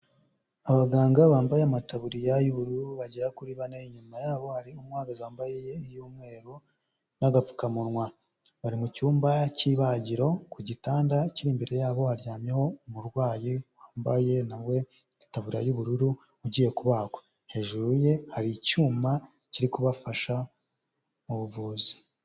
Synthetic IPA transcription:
aβaɡaːŋɡaβaːmbajeamataβuɾijajuβuɾuɾuβaɟiɾakuɾiβaneiɲumajaːβo̞haɾiumwaːɡazaːmbajejeijuːmŋe̞ːɾu | naɡap͡fu̥kamuɾŋwa | βaɾimucuːmbaciːβaɟiɾo̞kuɟitaːndaiciɾiːmbeɾe̞jaːβo̞haɾjaːmjeho̞muɾɡwaːjiwaːmbaje̞nawe̞ | itaβuɾajuβuɾuɾu | uɟiːje̞kuβaːko̥ | he̞ʒuɾuje̞haɾicuːma | ciɾikuβafaʃa | uβuvuːzi̥

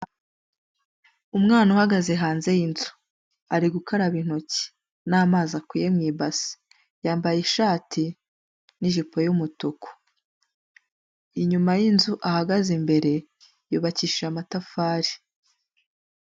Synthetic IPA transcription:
umŋaːnuhaɡaze̞ɦaːnze̞jinzu̥ | aɾiɡukʰaɾaβin̥o̞ci̥ | naːmaːzakijemŋiːbasi̥ | jaːmbajeʃaːtʰi | niʒipo̞jumutuko̥ | iɲumajinzuʔahaɡazimbe̞ɾe̞ | juːβaciːʃamatafaːɾi̥

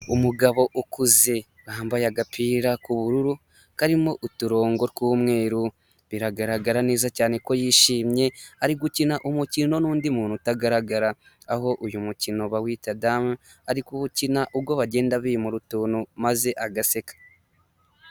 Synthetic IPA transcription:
umuɡaβo̞ʔukuze̞ | waːmbajaɡapʰiːɾakuβuɾuɾu | kaɾimo̞ʔutuɾo̞ːŋɡo̞ɾkuːmŋe̞ːɾu | βiɾaɡaɾaɡaɾane̞ːzacaːne̞ko̞jiːʃiːmɲe̞aɾiɡucinaʔumucino̞nuːndimuːnhutaɡaɾaɡaɾaː | ɦo̞ʔujumucino̞βawiːtadam | aɾikuβucinaʔubɡoβaɟe̞ːndaβiimuɾutuːnumaze̞ʔaɡase̞kḁ

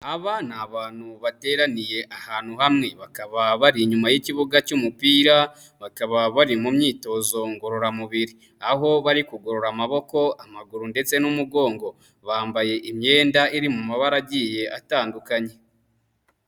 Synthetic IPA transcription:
aβanaβaːn̥huβate̞ːɾanije̞ʔahaːn̥huhamŋe̞βakaβaβaɾiɲumajiciβuɡacumupiːɾa | βakaβaβaɾimumɲiːto̞zo̞ŋɡo̞ɾo̞ɾamuβiɾi | aɦo̞βaɾikuɡo̞ɾo̞ɾamaβo̞ko̞amaɡuɾunde̞t͡se̞numuɡo̞ːŋɡo̞ | βaːmbaje̞ʔimɲe̞ːndaiɾimumaβaɾaɟije̞ʔataːndukaɲe̞

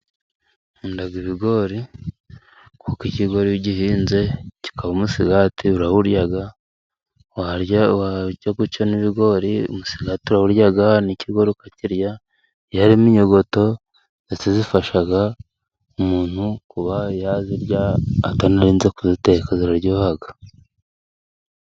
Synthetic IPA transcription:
indaɡiβiɡo̞ɾi | kokiciɡo̞ɾiiɟihiːnze̞ci̥kʰaβomusiɡatiuɾahuɾjaɡa | wawacaɡut͡ʃoniβiɡo̞ɾiṵmusi̥ɡatiuɾahuɾjaɡaniciɡo̞ɾikaciɾja | jaɾimiɲoɡo̞to̞ | etazifaʃaɡa | umuːn̥hukuβajaziɾjaːtanaɾiːnze̞kuzite̞kaziɾaɾɟoːhaɡa

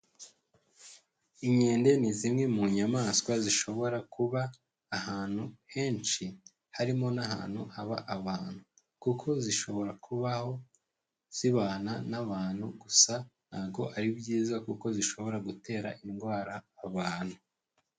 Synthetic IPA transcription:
iɲe̞ːnde̞nizimŋe̞muɲamaːskwaziʃo̞βo̞ɾakuβaː | haːn̥huhe̞ːnt͡ʃi | haɾimo̞naɦa̰ːn̥huaβaʔaβaːn̥hu | kukʰo̞ziʃo̞βo̞ɾakuβaho̞ | z̥iβaːnanaβaːn̥huɡusanaːbɡo̞̰ʔaɾibɟiːzakuko̞ziʃo̞βo̞ɾaɡute̞ːɾa̰ʔinɡwaːɾaːβaːn̥hu

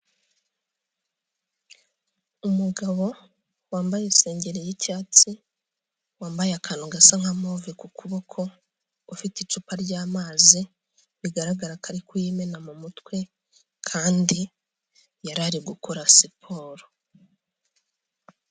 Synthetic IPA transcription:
umuɡaβo̞ | waːmbajese̞ːɲɟe̞ɾejicaːt͡si | waːmbajakʰaːnuɡasaŋ̥hamovikukuβokʰo̞ | ufitit͡ʃupaɾɟaːmaːzi | βiɡaɾaɡaɾakʰaɾikujimenamumutkwe̞ | kʰaːndi | jaɾaɾiɡukoɾasipʰo̞ːɾo

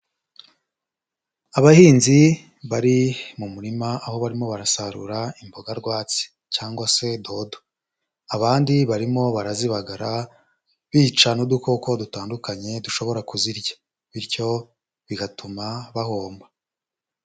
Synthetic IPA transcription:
aβahiːnzi | βaɾimumuɾimaaho̞βaɾimo̞βaɾasaɾṵɾaimboɡaɾɡwaːt͡si̥ | caːŋɡwase̞do̞do | aβaːndiβaɾimo̞βaɾaziβaɡaɾa | βiːt͡ʃanodukoko̞dutaːndukaɲe̞duʃo̞βo̞ɾakuziɾɟḁ | βiɾjo̞ | βiɡatumaβaho̞ːmba

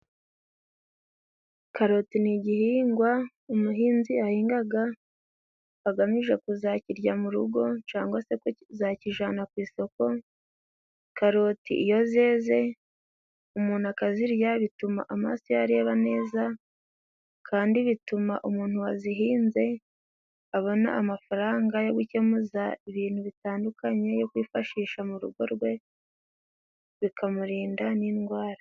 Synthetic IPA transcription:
kaɾo̞tiniɟihiːŋɡwa | umuɦiːnziahiːŋɡaɡa | aɡamiʒe̞kuzaciɾɟamuɾuɡo̞t͡ʃaːŋɡwase̞kozaciʒanakwiːso̞ko̞ | kaɾo̞tḭʔijo̞ze̞ːze̞ | umuːn̥uakaziɾjaβituma̰ʔama̰ːsojaɾe̞ːβane̞ːza | kʰaːndiβituma̰ʔumuːn̥huwaziɦiːnze̞ | aβo̞na̰amafaɾaːŋɡajo̞ɡuce̞muzaiβiːn̥huβitaːndukaɲe̞jo̞kwiːfaʃiːʃamuɾuɡo̞̰ɾɡwe̞ | βikʰamuɾiːndaninɡwaːɾa

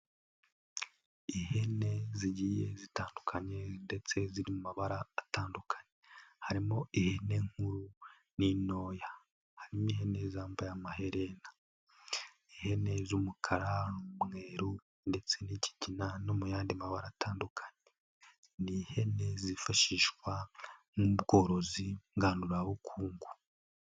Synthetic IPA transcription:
ihe̞ne̞ziɟije̞̰zitaːndukʰaɲe̞nde̞t͡se̞ziɾimumaβaɾaːtaːndukʰḁɲehaɾimo̞ihene̞ŋ̥huɾu | nino̞ːja | haɾimoihe̞ne̞zaːmbajamahe̞ɾe̞nḁ | ihe̞ne̞zumukʰaɾamŋe̞ːɾu | nde̞t͡se̞nici̥ɟinano̞mujaːndimaβaɾataːndukʰḁɲe | nihe̞ne̞zifaʃiːʃkwanubɡo̞ːɾo̞ziŋɡaːnduɾaβukʰuːŋɡu

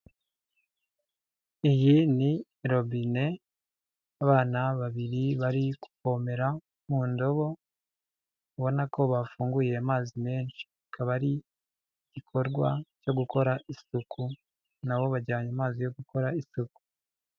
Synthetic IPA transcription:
ijini | ɾo̞bine̞ | aβaːnaβaβiɾiβaɾiku̥fo̞me̞ɾa | muːndo̞βo̞ | uβo̞nakʰo̞βafuːŋɡuje̞amaːzimeːnʃi̥akʰaβaɾi | ɟ̥ikʰo̞ɾɡwa̰co̞ɡuko̞ɾaʔisukʰu | naβo̞βaɾɟaːɲamaːzijo̞ɡukʰo̞ɾaisuku̥

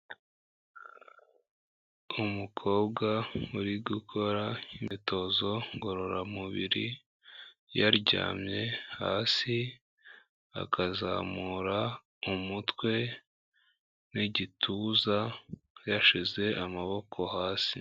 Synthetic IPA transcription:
umukʰo̞ːbɡauɾiɡukʰo̞ɾaimito̞zo̞ŋɡo̞ɾo̞ɾamuβiɾi | jaɾɟa̰ːmɲe̞ha̰ːsi | a̰kʰaza̰ːmuːɾa | umutwe̞ | niɟitʰuːzajaʃize̞ʔamaβo̞kʰo̞haːsi

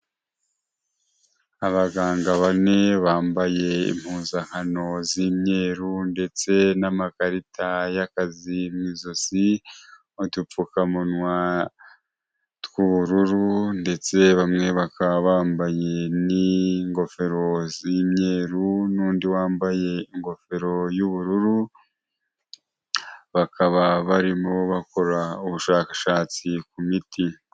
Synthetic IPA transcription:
aβaɡaːŋɡaβane̞βaːmbaje̞ḭm̥huːnzaŋ̥hano̞ziːmɲe̞ːɾunde̞t͡se̞namakaɾitʰajakazimwiːzosi | otup͡fukamunwa | twuβuɾuɾunde̞t͡se̞βamŋe̞βakaβaːmbaje̞niŋɡo̞fe̞ɾo̞ziːmɲe̞ːɾunuːndiwaːmbaje̞iŋɡo̞fe̞ɾo̞juβuɾuɾu | βakaβaβaɾimoβako̞ɾauβuʃaːkaʃaːt͡sikumiti

